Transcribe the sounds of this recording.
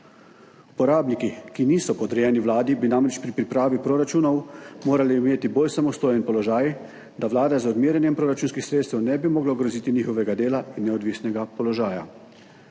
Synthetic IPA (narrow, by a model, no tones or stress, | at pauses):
u̥pɔɾaːbnikikiniːsɔpɔd̪ɾɛjɛniʋlaːd̪ibinamɾɛt͡ʃpɾipɾipɾaːʋipɾoɾat͡ʃuːnɔwmoːɾalɛimeːt̪iboːlsamɔst̪oːjɛnpɔlɔʒaːj | d̪aʋlaːd̪ɛzɔd̪miːɾʲjɛnjɛmpɾoːɾat͡ʃuːnskixsɾeːt̪st̪ɛwnɛbimɔːɡlaɡɾɔziːt̪iniːxɔʋɛɡad̪eːlainːɛɔd̪ʋiːsnɛɡapɔlɔʒaːja